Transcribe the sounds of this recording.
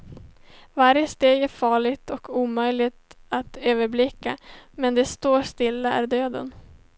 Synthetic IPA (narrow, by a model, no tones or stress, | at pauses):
vaɾjəst̪eːɡæɾfɑːɭɪɡt̪ɔkʰuːmœjlɪt̪at̪øːvəɾblɪkːamɛnd̪ɛst̪oːʂt̪ɪlːaæ̰ɾɖ̪øːd̪ə̰n